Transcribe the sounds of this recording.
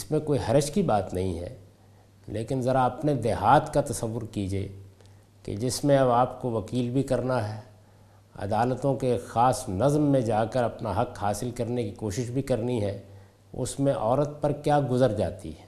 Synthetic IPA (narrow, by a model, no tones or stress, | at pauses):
ɪsmẽkoːiɦɐɾəʃkibaːt̪nɐɦĩɦɛ̰ː | leːkɪnzɐɾaɐpned̪eɦaːt̪kat̪ɐsɐʋːʊɾkiːd͡ʒiḛː | kḛd͡ʒɪsmẽɐβaːpkoʋɐkiːlbʱikɐɾnaɦɛː | ɐ̰d̪aːlət̪õkexaːsnɐzmːẽd͡ʒaːkəɾɐpnaɦɐkhaːsɪlkɐɾnekikoːʃɪʃbʱikɐɾniɦɛː | ʊ̰smẽʔɔːɾət̪̚pɐɾkjaːɡʊzəɾd͡ʒa̰ːt̪ḭɦɛː